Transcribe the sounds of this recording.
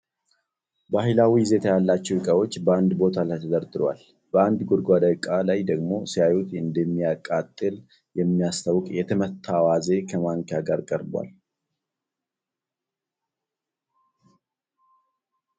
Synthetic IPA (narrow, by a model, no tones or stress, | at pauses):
bahɪlawijɪzet̪ʰəjalːat͡ʃːɛwɪkʼəwo̞t͡ʃːbəand̪bo̞t̪ʰalajt̪ʰəd̪əɾd̪ɨɾwa̰l | b̥əand̪ɡod̪ɡʷad̪əkʼːalajd̪əɡmo̞sijajut̪ɨnd̪əmːijakʼat̪ʼːɨl | jɛmːijast̪ʰawʊkʼjɛt̪ʰəmət̪ʰːawaze̞kʰəmaŋkjaɡaɾkʼəɾbwa̰l